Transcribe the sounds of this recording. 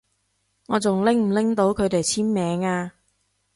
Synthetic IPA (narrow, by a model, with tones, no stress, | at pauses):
ŋɔː˨˧t͡sʊ˨ŋlɪ˥ŋm̩˨˩lɪ˥ŋt̪o˨˥wkʰɵ˨˧ɥt̪e˨jt͡sʰiː˥nmɛː˨˧ŋaː˧